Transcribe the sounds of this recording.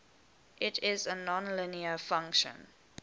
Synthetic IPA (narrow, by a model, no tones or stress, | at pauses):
ʔɪtʰɪzənɔ̃nlɪniəfãŋkʃə̰̃n